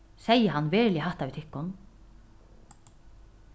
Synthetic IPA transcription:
sɛjəɦanːvɛːɾlɪɦaht̪avit̪ʰɪhkːʊn

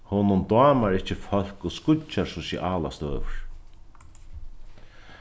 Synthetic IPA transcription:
hoːnʊnt̪aːmaɾɪht͡ɕːɪfœl̥kɔskʊt͡ʃːasɔsḭʔaːla̰st̪øːvɹ̥

